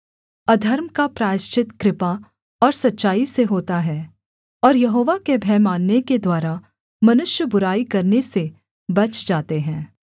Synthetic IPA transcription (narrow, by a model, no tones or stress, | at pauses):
ɐd̪ʱɐɾmkapɾaːɪʃt͡ʃɪt̪kɾɪpa | ɔːɾsɐtːʃaːiseɦoːt̪aɦɛː | ɔːɾjɐɦoːʋakebʱɛːmaːnːeked̪waːɾa | mɐnʊʃjəbʊɾaːikɐɾnese | bɐt͡ʃd͡ʒaːt̪eɦɛ̃ː